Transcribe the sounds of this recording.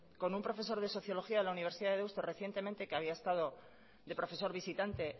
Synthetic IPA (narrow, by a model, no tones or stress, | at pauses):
ko̞numpɾo̞fe̞s̬o̞ɾðe̞so̞θjo̞lo̞xiaðe̞launiβ̞e̞ɾsiðaðe̞ewst̪ore̞θje̞nt̪e̞mẽnt̪e̞keaβiaest̪að̞o̞ | ðe̞pɾo̞fe̞so̞ɾβisit̪ant̪e̞